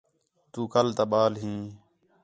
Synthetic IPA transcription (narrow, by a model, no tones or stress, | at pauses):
t̪uːkəlt̪aːɓaːlɦĩː